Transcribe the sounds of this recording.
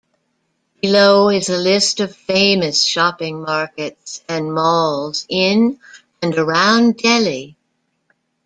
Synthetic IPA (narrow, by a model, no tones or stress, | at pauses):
b̥b̥ɨloʊɪzəlɪstʌv̥fẽɪ̃mɨsʃɑpɪ̃ŋmɑɹkɨtsɨ̃nmɔlˠzɪ̃n | ɨ̃nə˞ãʊ̃ndɛlˠi